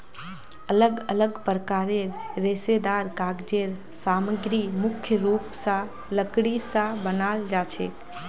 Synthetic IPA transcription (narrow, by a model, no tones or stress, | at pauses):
ələɡələɡpɾəkaɾeɾːesed̪aɾkaɡd͡ʒeɾ | saməɡɾimʊkʰjəɾupsã | ləkɽisãbənald͡ʒat͡ʃʰe